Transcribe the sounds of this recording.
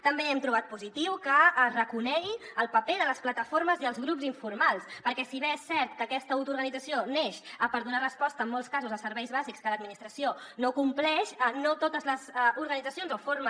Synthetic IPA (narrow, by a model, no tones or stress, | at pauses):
t̪əmbeɛmt̪ɾuβat̪̚puzit̪iwkəərəkunɛɣiəlˠpəpeðələsplət̪əfoɾməziəlˠzɣɾupziɱfurmalˠspəɾkɛsiβeesːɛɾt̪kəːkɛst̪əuwt̪uɾɣənid͡zəsioneʃəpəɾðunarəspɔst̪əːmːɔlˠskazuzəsəɾβɛjzβazikskələd̪̚minist̪ɾəsionokumplɛʃənot̪ot̪əzləzuɾɣənidd͡zəsionzofoɾmə